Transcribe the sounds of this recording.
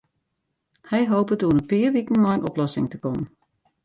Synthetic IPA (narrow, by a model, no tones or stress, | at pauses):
hɛjɦoːpətuːənəpɪːɹʋikən̩mɔjənʔɔplɔsɪ̰ŋtəkɔmən